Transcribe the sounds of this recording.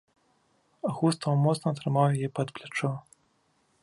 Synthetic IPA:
aɣust̪ɐwmɔt̪snɐːt̪ɾɨmawjajipɐt̪plʲat͡ʂɔ

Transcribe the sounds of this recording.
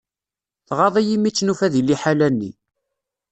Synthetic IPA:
θʁɑðˤijimit͡sːnufæðilːiħalænːḭ

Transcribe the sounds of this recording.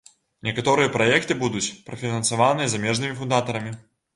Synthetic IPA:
nʲɛkat̪ɔɾɨjɐpɾajɛkt̪ɨbud̪ut͡sʲpɾɐfʲinɐnsavanɨjɐzamʲɛʐnɨmʲifund̪at̪ɐɾɐmʲi

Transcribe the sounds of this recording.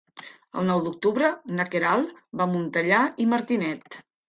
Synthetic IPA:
ə̰lˠnɔwd̪uk̚t̪uβɾənəkeɾalˠbamunt̪əʎaiməɾt̪inɛt̪

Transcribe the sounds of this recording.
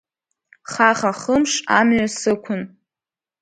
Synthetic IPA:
χaχaχəmʂamɥasɨkʷʰʊn

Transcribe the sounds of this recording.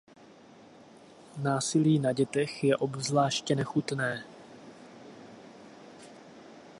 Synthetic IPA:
naːsɪliːnaɟɛt̪ɛxjɛʔo̞bzlaːʃcɛnɛxut̪nɛː

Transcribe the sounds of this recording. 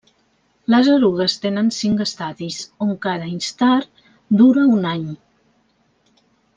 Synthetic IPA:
ləzəɾuɣəst̪enənsiŋkəst̪aðisoŋkaɾəinst̪aɾ | d̪uɾəunaɲ

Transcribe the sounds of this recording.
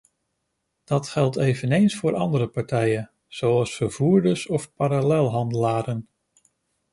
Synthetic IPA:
d̥ɑtχɛlˠtejvənejnsfʊːɹʔɑ̰ndəɾəpɑɹtɛjən | z̥owɑlˠsfəɹv̥uːɹdəsɔfpaɾalɛlˠɦɑndəlaːɾən

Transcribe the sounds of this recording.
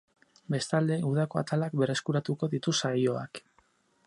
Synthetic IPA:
be̞st̪ald̪e̞uð̞ako̞a̰t̪alakbe̞re̞skuɾat̪uko̞ðit̪usajo̞a̰k

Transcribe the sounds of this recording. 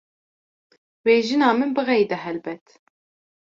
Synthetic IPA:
weːʒɨnɑːmɨnbɨɣɛjd̪ɛɦɛlbɛt̪

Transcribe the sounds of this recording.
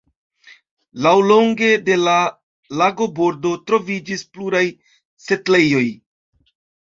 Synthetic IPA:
lawlo̞ŋɡe̞de̞la | laɡo̞bo̞ɾdo̞tɾo̞vid͡ʒispluɾaj | se̞tle̞jo̞j

